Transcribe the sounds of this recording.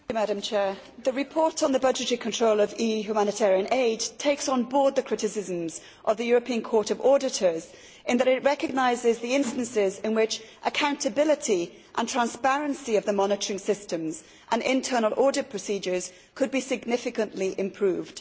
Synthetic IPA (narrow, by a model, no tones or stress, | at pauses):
mæɾə̃mt͡ʃʰɛːɹ | ðɨɹɨpʰɔɹɾn̩ðəbʌd͡ʒɨtəɹikʰə̃ntʰɹ̥oʊlˠəvijʉhjʉmanɨtʰɛɹiə̃neɪdtʰeɪksn̩bɔːɹd̪̚ðɨkʰɹ̥ɪɾɨsɪzə̃mz | ʔəvðəjɔɹəpʰĩə̃nkʰɔɹɾəvɔɹɾɪtə˞z̥ | ʔɨ̃nðəɾɪʔ̚ɹɛkɨɡ̚naɪzɪzðiɪ̃nstə̃nsɪzɪ̃nwɪt͡ʃʔəkʰãʊ̃ntʰɨbɪlˠɪtʰi | ʔə̰̃ntʰɹ̥ãnspɛɹə̃nsiʌvðəmɑnɨtəɹɪ̃ŋsɪstə̃mz | ʔə̃nɪ̃ntʰɜ˞nəl̩ˠʔɔːdɨt̚pʰɹ̥əsiːd͡ʒə˞z̥ | kʰɨd̚bisɪɡnɪfɪkə̃nʔliʔɪ̃mpʰɹ̥ʉːvd̥